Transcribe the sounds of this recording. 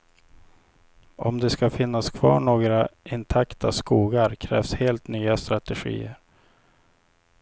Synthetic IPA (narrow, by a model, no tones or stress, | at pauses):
ɔmd̪ɛskafɪnːaskʰvɑ̰ːɳoːɡɾaɪnt̪ʰakt̪ʰaskuːɡaɾkʰɾɛ̰ːvsheːlt̪nyːast̪ɾat̪ɛɧḭːəɾ